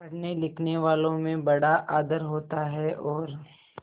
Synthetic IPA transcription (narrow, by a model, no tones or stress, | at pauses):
ɐɽnelɪkʰneʋaːlõmẽbɐɽaʔaːd̪əɾɦoːt̪aɦɛʔɔːɾ